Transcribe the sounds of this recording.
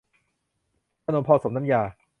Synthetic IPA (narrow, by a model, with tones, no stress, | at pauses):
a˧noː˧mpʰɔː˧so˩˦mna˦˥mjaː˧